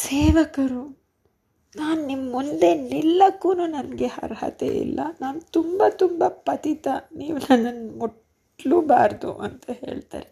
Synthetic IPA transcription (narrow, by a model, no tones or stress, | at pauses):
seːʋɐkɐɾu | naːnnimːund̪e̞nilːɐkːuːnuːnɐnɡehɐ̰ɾhɐ̰t̪ḛḭlːʔɐ̰naːnut̪umbɐt̪umbɐpɐt̪it̪ɐniːʋunɐnːɐnmuʈ | lubaːɾd̪ṵʔɐnt̪ɐhe̞̰ːɭt̪a̰ːɾe